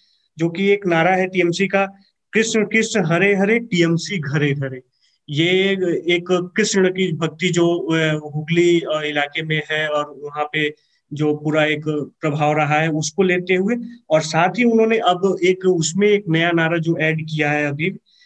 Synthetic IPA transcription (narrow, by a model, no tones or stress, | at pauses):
d͡ʒoːkieːknaːɾaɦɛʈiːɛmsika | kɪʃkɪʃɦɐɾeɦɐɾeʈiːɛmsiɡʱɐɾeɡʱɐɾe | jeeːkːɪʃɽ̃kibʱɐk̚t̪id͡ʒoːɦʊɡliɪlaːkemẽɦɛɔːɾʊɦãpe | d͡ʒoːpuːɾaeːkpɾɐbʱaːʋɾɐɦaɦɛʊskoleːt̪eɦueɔːɾsaːt̪ʰɦiʊnɦõːneʔɐbeːkʊsmẽeːknɐjanaːɾad͡ʒoːʔɛːɖkijaɦɛɐbʱiːb